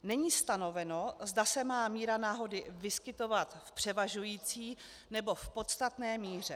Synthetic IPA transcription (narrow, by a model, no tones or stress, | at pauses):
nɛɲiːst̪ano̞vɛno̞zdasɛmaːmiːɾanaːɦo̞dɪvɪskɪt̪o̞vat̪fpr̝̥ɛvaʒujiːt͡siː | nɛbo̞fpo̞t̪st̪at̪nɛːmiːr̝ɛ